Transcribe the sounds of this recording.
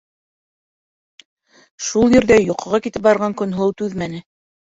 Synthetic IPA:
ʃulˠjɵ̆ɾðæjŏqɤ̆ʁɑkit̪ɘp̚bɑɾʁɑŋkɵ̆nɦot̪ʉðmænɘ

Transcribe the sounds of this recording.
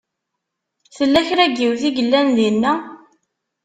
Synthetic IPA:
θəlːæçɾæɡːiwθiɡəlːænðinːæ

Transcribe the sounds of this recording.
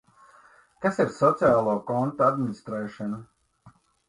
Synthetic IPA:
kasiɾsɔt̪siaːlˠoːkɔnt̪oad̪minist̪ɾɛːʃɔnu

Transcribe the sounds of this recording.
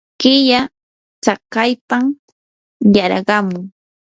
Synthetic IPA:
kɪja | t͡sɑkɑjpam | jaɾɢɑmʊŋ

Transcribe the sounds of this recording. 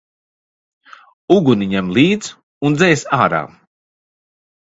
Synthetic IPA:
uɡuniɲɛmlˠiːd̪z | und̪zɛjsaːɾa̰ː

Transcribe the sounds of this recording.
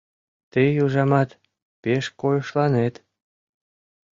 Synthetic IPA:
t̪ejuʒɑmɑt̪ | peʃkojəʃlɑnet̪

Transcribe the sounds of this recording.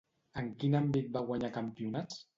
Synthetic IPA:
əŋkinambit̪̚baɣwaɲakampiunas

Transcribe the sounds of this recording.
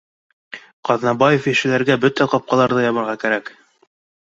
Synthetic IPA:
qɑðnɑbɑjefjɘ̆ʃɘ̆læɾɡæbɵt̪æqɑp̚qɑlˠɑɾðɤjɑβɤ̆ɾʁɑkæɾæk

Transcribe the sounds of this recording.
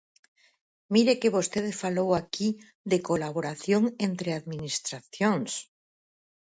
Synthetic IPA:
miɾekeβost̪eðfalowaki | ðekolaβoɾaθjoŋent̪ɾeaðminist̪ɾaθjoŋs

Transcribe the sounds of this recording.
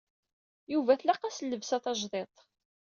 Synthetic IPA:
juvæθlæqɑslːəvsæθɑʒðˤet̪ˤ

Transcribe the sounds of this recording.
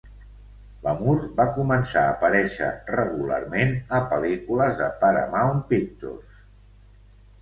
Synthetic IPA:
ləmuɾbakumənsaəpəɾɛʃə̰rəɣula̰rmenəpəlikuləzðəpaɾə̰mawnpik̚t̪o̰rs

